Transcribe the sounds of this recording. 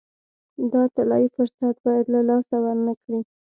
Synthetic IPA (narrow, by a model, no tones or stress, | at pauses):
d̪ɑt̪alɑjifʊɾsat̪̚bɑjad̪lalɑsawaɾnakɽi